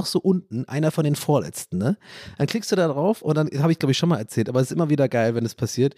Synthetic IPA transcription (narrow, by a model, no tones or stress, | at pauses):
ɔxz̥oːʔʊntn̩ʔa̰ɪnɐfɔndeːnfoːɐlɛ̰t͡stn̩nəd̥ankl̥ɪkstd̥uːdaːdʁaʊfʊ̰ntd̥anhaːbəɪçɡ̥laʊbɪçʃonmaːlɛɐt͡sɛːltʔaːbɐɛsɪstʔɪmɐviːdɐɡaɪlvɛnɛspʰasiːɐt